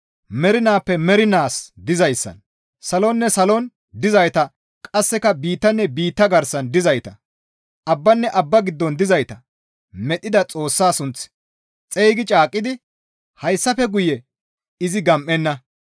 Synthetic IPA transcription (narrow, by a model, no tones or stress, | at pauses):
mɛɾɪnaːpːɛmɛɾɪnaːsd̪ɪzɐjsːɐ̰n | sɐlɔnːɛsɐlɔn | d̪ɪzɐjt̪ɐ | kʼɐsːɛkɐbiːt̪ːɐnːɛbiːt̪ːɐɡɐɾsɐnd̪ɪzɐjt̪ɐ | ʔɐbːɐnːɛʔɐbːɐɡɪd̪ːɔnd̪ɪzɐjt̪ɐ | mɛt̪ʼːɪd̪ɐt͡sʼo̞ːsːaːsʊnt͡s | t͡sʼejɡɪt͡ʃʼaːkʼːɪd̪ɪ | hɐjsːɐfɛɡʊjɛ | ɪzɪɡɐmʔːɛnːɐ